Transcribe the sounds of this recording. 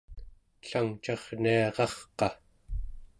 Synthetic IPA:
ɬaŋt͡ʃɑʁniɑʁɑχqɑ

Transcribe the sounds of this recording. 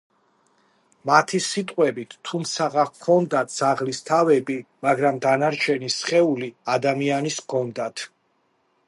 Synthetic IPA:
mat̪ʰisit̪ʼqʼwɛbit̪ːʰumt̪sʰaʁakʰɔnd̪at̪̚ʰz̥aʁlist̪ʰavɛbimaɡɾamd̪anaɾt͡ʃʰɛnisχɛuliad̪amianiskʰɔnd̪at̪ʰ

